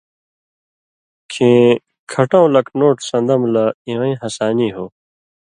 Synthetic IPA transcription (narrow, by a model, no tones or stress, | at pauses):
kʰĩː | kʰɐʈãːlɐknoːʈsɐ̃nd̪ɐmlɐĩwɐ̃ĩɦɐsaːniːɦoː